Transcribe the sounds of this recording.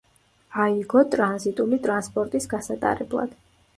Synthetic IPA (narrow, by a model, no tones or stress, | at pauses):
aiɡɔt̪ʼɾanzit̪ʼulit̪ʼɾanspʼɔɾt̪ʼisɡasat̪ʼa̰ɾɛblˠa̰d̪̥